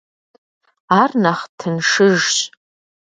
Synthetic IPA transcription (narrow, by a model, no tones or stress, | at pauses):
arnaχtʰɨnʂɨʐɕʼ